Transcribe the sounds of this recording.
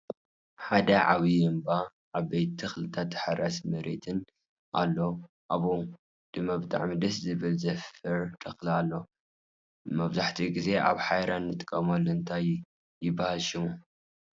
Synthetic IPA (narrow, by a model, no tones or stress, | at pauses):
ħad̪ɐʕaβiɛmba | ʔaβbejt̪ːʰɨxlɨt̪ʰat̪ːħaɾasmɐɾet̪ʰɨn | ʔa̰lːo | ʔaβo | d̪̥ɨmabɨt̪ʼa̰ʕmid̪ɐszɨβɨlzɐfɐɾt̪ʰʼɐxlalːo | mɐβzaħt̪ʰiɡize̞ʔa̰βħajɾanːɨt̪ʼkʼːɐmolɨɨnt̪ʰaj | jɪbːahalʃimu